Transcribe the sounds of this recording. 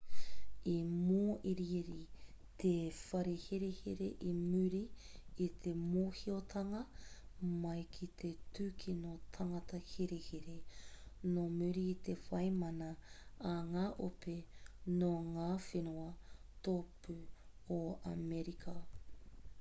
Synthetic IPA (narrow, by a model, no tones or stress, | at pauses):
imoːʔiɾiɾit̪ʰefɐɾihiɾehiɾḛʔimʉɾiːt̪ʰemoːhiot̪ʰɐŋɐ | mɐjkʰit̪ʰet̪ʉːkʰinot̪ʰɐŋɐt̪ɐhiɾehiɾenomʉɾiːt̪efɐjmɐnɐː | ŋaːʔopenoŋaːfinoɐt̪opʉoɐ̰meɾikʰɐ